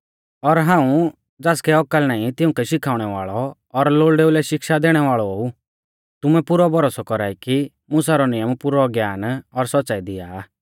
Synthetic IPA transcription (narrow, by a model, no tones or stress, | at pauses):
ɔɾɦãːũ | d͡zaːskɛɔkəlnaːĩt̪ɪʊ̃kɛʃɪkʰaːʊɽ̃ɛʋaːɭɔ | ɔɾloːɭɖeːulɛʃɪkʃad̪eːɽ̃ɛʋaːɭɔoːu | t̪ʊmɛpʊɾɔbʱɔɾoːsɔkɔɾaːiki | mʊsaɾɔnɪjəmpʊɾɔɡjaːnɔɾsɔtːsaːid̪ɪja